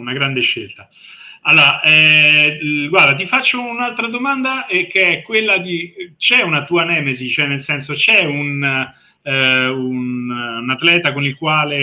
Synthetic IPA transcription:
unaɡɾand̪eʃːelt̪a | alːoːɾaʔɛ | ɡwaɾd̪at̪̬ifat͡ʃːounalt̪ɾad̪omand̪aekːeɛkːwelːad̪it͡ʃɛunat̪uanɛːmezit͡ʃɛnːelsɛnsot͡ʃɛun | ununat̪lɛːt̪akonilkwaːle

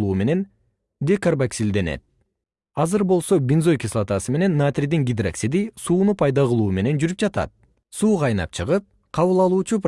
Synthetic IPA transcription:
lˠuːme̞ne̞n | d̪ekarbaksild̪e̞ne̞̰t̪̚ | ɑzɯɾbo̞lˠso̞bʲinzo̞jkʲislˠat̪asɯme̞ne̞nːat̪rʲid̪iŋɡʲid̪raksid̪isuːnupʰɑjd̪ɑʁɯlˠuːme̞ne̞nd͡ʒyɾyp̚d͡ʒɑt̪ɑ̰t̪̚ | suːʁɑjnɑ̰p̚t͡ʃʰɯʁɯp̚ | qʰɑβɯlˠɑlˠuːt͡ʃup

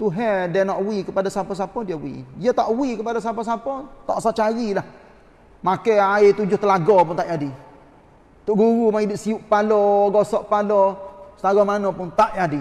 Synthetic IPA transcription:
t̪uɦɛdɛnɔʔwikəpadasapɔs̬apɔdiəwḭjət̪aʔwikəpadas̬apɔs̬apɔt̪a̰ʔsat͡ʃaɾilah | makɛaɪt̪ud͡ʒʊht̪əlaɡɔpʊnt̪aʔjadi | t̪ʊʔɡuɾumaidɪʔsiuʔpalɔɡɔsɔʔpalɔsəlaɡɔmanɔpʊnt̪aʔjadi

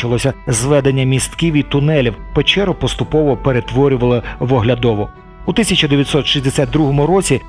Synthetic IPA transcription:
t͡ʃɐlˠɔsʲɐzʋɛd̪enʲːɐmʲist̪kiwit̪ʊnɛlʲiwpet͡ʃɛɾʊpɔst̪ʊpɔʋɔpeɾet̪ʋɔɾʲʊʋɐlˠɪʋɔɦlʲɐd̪ɔʋɔ | ʊt̪ɪsʲɐt͡ʃɐd̪eʋʲjɐt̪ʲsɔt̪ʃizʲd̪esʲat̪̚d̪ɾuɦɔmʊɾɔt͡sʲi

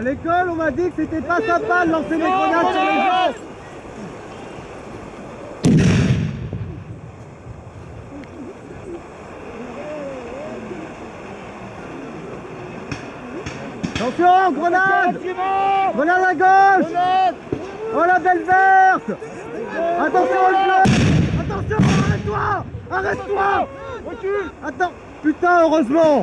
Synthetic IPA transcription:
alekɔlɔ̃vad̪iʁkset̪ɛpasɛ̃pad̪əlɑ̃sed̪eɡʁɔnaʒsɔ̃lɛɔ | at̪ɑ̃sjɔ̃ɡʁənad̪ | ɡʁənad̪aɡoʃ | ɔlabɛlvɛʁt̪ | at̪ɑ̃sjɔ̃zlɔat̪ɑ̃sjɔ̃aʁɛt̪t̪waaʁɛt̪t̪ːwa | at̪ɑ̃ | pyt̪ãøʁøzmɑ̃

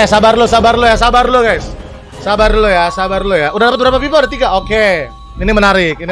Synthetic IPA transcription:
asabarlosabarlojasabarloɡajsː | abarlojasabarlojaudahdapət̪̚bəɾapapipadət̪iɡaʔoke | inimənaɾɪk̚ini

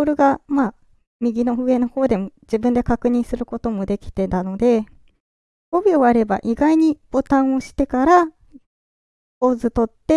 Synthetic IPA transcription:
ɾɯ̟ɡama | mʲiɡʲino̞ɸɯ̟e̞no̞ho̞ːd̪e̞mo̞d͡ʑibɯ̟̃nd̪e̞kakɯ̟ɲ̟ĩɰ̃sɨɾɯ̟ko̞t̪o̞mo̞d̪e̞kʲi̥t̪e̞t̪ano̞d̪e̞ | obʲio̞βaɾe̞ba̰ʔiɡaiɲ̟ib̥o̞t̪ãɰ̃o̞ɕi̥t̪e̞kaɾa | oːzɨt̪o̞t̪ːe̞

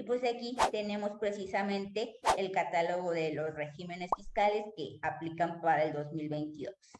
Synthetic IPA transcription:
ipwe̞sakit̪e̞ne̞mo̞spɾe̞sisamẽ̞nt̪e̞ːlkat̪alo̞ɣo̞ðe̞lo̞sre̞xime̞ne̞sfiskale̞ske̞aplikampaɾaeld̪o̞zmilβe̞jnt̪iðos

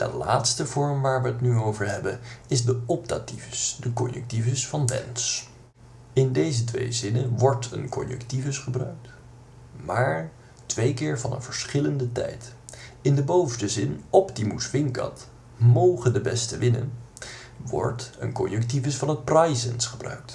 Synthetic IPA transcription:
d̥ə̰la̰ːtstəvɔɹmʋaːɹʋəətnyowvəɹɦɛbənɪzdəɔb̚dativəsdəkɔnjə̰k̚tivəsfɑnʋɛ̰ns | ɪndejzətʋḛjzɪnənʋɔɹtʰə̰nkɔ̰njə̰ktivəsχəbrœ̰ɥk̚t | maːɹ | tʋejkɪːɹvɑnə̰nvəɹsχɪləndətɛ̰jtɪndəbowfdəzɪnɔptimusʋɪŋkɑ̰t | mowχəndəbɛstəʋɪnə̰n | ʋɔ̰ɹtə̰nkɔnjəktivəsfɑnɦət̚prɑjzənsχəbrœ̰ɥk̚t

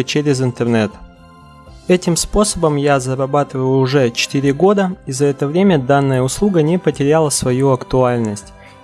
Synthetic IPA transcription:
ət͡ɕeɾʲɪzɪnt̪ərnɛt̪ | ɛtʲɪmspo̞səbəmjazəɾɐbat̪ɨvəjjʊʊʐɛt͡ɕɪ̥t̪ɪɾʲɪɡo̞d̪əizɐɛt̪əvɾʲemʲəd̪anːəjəʊslˠuɡənʲɪpətʲɪɾʲalˠəsvɐjuɐkt̪ʊalʲnəsʲtʲ

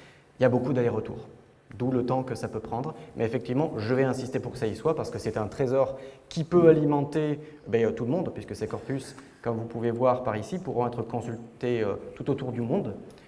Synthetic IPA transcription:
iljabokud̪aleʁət̪ṵːʁ | d̪ulət̪ɑ̃kəsapøpχɑ̃d̪ʁmʔɛefɛk̚t̪ivmɑ̃ʒəvɛɛ̃sist̪epuʁkə̥saiswapaʁsə̥kəsɛt̪ɛ̃t̪χezɔʁkʲipøalimɑ̃t̪e | bɛøt̪uləmɔ̃d̪pɥiskəsekɔʁpys | kɔmvupuvevwaʁpaʁisipuʁɔ̃ɛt̪χəkɔ̃sylt̪eøt̪ut̪ot̪uʁd̪ymɔ̃d̪

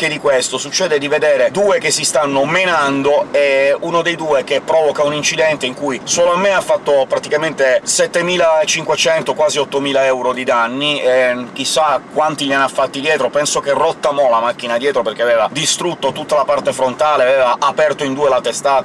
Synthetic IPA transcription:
k̟ed̪ikwest̪osut͡ʃːɛːd̪ed̪ived̪eːɾed̪uːekesːist̪anːomenand̪oɛunod̪ejd̪uːek̟epːɾɔvokaunint͡ʃid̪ɛnt̪eiŋkujsoːloamːeafːat̪ːopɾat̪ikament̪esɛt̪ːemiːlaet͡ʃiŋkwet͡ʃɛnt̪okwaːziɔt̪ːomiːlaɛwɾod̪id̪anːiek̟isːakːwant̪ilianːafːat̪ːid̪jɛːt̪ɾopɛnsokerːot̪ːamɔlamak̟ːinad̪jɛːt̪ɾoperk̟eavɛːvad̪ist̪ɾut̪ːot̪ut̪ːalapart̪efɾont̪aːleavɛːvaʔapɛrt̪oind̪uːelat̪est̪aːt̪a

